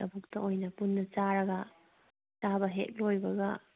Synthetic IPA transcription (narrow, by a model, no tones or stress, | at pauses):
ɐbuk̚tɐojnɐpunːɐt͡ʃaɾɐɡɐ | tabɐɦḛk̚lojbɐɡɐ